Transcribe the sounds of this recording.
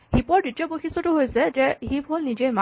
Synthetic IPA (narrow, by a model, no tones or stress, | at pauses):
hipɔɹditijɔboxisɔtʊɦojsɛd͡ʒɛɦibʱolnid͡ʒejma